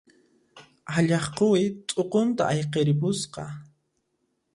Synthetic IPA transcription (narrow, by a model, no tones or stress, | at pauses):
aʎɑχqowɪt̪ʼoqont̪a̰ʔajqeɾɪpʊsqɑ